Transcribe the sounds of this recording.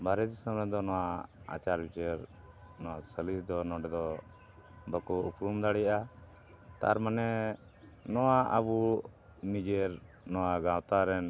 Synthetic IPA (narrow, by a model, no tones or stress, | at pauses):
bʱaɾɛd̪isəmɾɛd̪ɔnɔwaa̰t͡ʃaɾbit͡ʃɛɾ | nɔwasəlisd̪ɔnɔ̃ɖɛd̪ɔ | bəkɔupɾumd̪aɽɛja | t̪a̰ɾmanɛ | nɔwaʔəbu | mid͡ʒeɾ | nɔwaɡãwt̪aɾɛn